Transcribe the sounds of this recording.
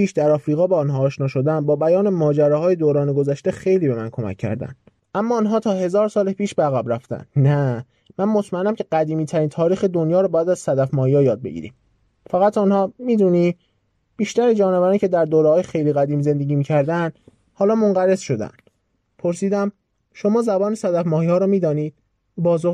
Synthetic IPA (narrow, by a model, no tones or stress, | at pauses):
piːʃd̪æɾɒːfɾiːɣɒːbeɒnɦɒːʃnɒːʃo̞d̪ænbɒːbæjɒːnemɒːd͡ʒæɾɒːɦɒːjed̪oːɾɒːneɡozæʃt̪e̞xe̞jliːbe̞mænkʰo̞mæ̰cʰːæ̰ɾd̪æ̰nd̪ | ʔæmːɒːnɦɒːt̪ʰɒːɦe̞zɒːɾsɒːlepʰiːʃbeæɣæbɾæft̪æ̰nd̪næ | mænmo̞t̪ʰmæenːæmcʰe̞ɢæd̪iːmiːt̪ʰæɾiːnt̪ʰɒːɾiːxed̪onjɒːɾɔbɒːjæd̪æzsæd̪æfmɒːjjɒːjɒːd̪̚bḛɟḭːɾḭːm | fæɣæt̪ʰunhɒːmiːd̪uːniː | b̥iːʃt̪æɾed͡ʒɒːnevæɾɒːnicʰe̞d̪æɾd̪oːɾehɒːjexe̞jliːɣæd̪iːmze̞nd̪e̞ɟiːmiːcʰæɾd̪ænd̪ | hɒːlɒːmoŋɢæɾe̞z̥ʃo̞d̪æ̰nd̪̥ | pʰo̞ɾsiːd̪æm | ʃo̞mɒːzæbɒːnesæd̪æfmɒːhiːhɒːɾɔːmiːd̪ɒːniːd̪̥̚ | bɒːzo